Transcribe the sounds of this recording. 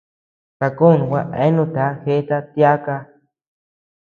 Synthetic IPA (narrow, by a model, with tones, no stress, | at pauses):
ka˧ko˦˨nũ˨wʷa˦˧ʔḛ˦nũ˧t̪a˨˦he˦t̪a˦t̪ja˦ka˧